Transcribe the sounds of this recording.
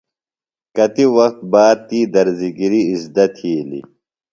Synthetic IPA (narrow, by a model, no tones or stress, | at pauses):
kɐt̪iwɐxt̪̚baːd̪̚t̪iːd̪ɐɾziɡiɾiːzd̪ɐt̪ʰiːlḭ